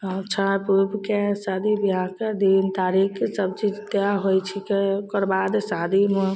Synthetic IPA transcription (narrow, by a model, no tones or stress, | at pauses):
t͡ʃʰapuɾbkesad̪ʱibiɦãked̪iint̪aɾiksəb̚t͡ʃid͡ʒt̪jaɦojt͡ʃʰikekəɾbad̪sad̪ʱime